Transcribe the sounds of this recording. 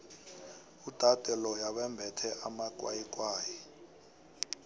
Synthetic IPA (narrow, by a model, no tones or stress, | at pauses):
ud̥ʱad̥ʱɛlɔjaɓɛmbʱɛtʰɛʔamak̬ʼwa̰jik̬ʼwaːjɛ